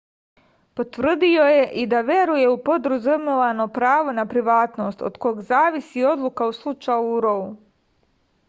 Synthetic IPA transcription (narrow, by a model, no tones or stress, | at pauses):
po̞t̪ʋr̩d̪io̞je̞ʔid̪aʋje̞ɾuje̞upo̞d̪ɾuzumeʋano̞pɾaːʋo̞napɾiʋaːt̪no̞ːst̪o̰d̪̥ko̞ɡzaːʋisio̞d̪lukauslˠut͡ʃajuɾou